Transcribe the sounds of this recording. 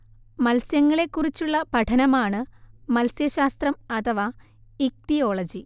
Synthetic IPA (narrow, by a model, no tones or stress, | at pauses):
mɐlsjɐŋːɐɭe̞kːurit͡ɕːuɭːɐpɐʈʰɐnɐmaːɳɨmɐlsjɐɕaːst̪rɐmɐt̪ʰɐʋa | ik̚t̪ijo̞ːɭɐd͡ʑi